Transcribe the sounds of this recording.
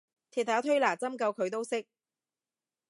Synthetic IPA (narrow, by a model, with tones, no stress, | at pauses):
t̪ʰiː˨t̪ʰːaː˨˥t̪ʰɵ˥ɥlaː˨˩t͡sɐ˥mkɐ˧wkʰɵ˨˧ɥt̪o˥wsɪ˥k̚